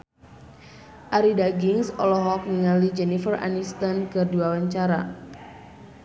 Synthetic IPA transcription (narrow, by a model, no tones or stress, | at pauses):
ʔaɾidaɡiŋsɔlɔɦɔk̚niŋalid͡ʒɛnifəra̰nist̪ankɨrduwawaɲt͡ʃaɾa̰